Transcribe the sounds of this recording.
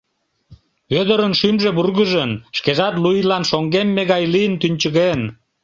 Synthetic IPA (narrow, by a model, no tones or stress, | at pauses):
ød̪əɾənʃymʒeβurɣəʒənʃkeʒɑt̪lujlɑnʃoŋɡemːeɣɑjlijənt̪ynʲt͡ɕəɣen